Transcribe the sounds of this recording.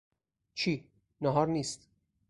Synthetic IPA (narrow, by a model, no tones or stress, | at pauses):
t͡ʃʰiː | nɒɦɒːɾniːst̪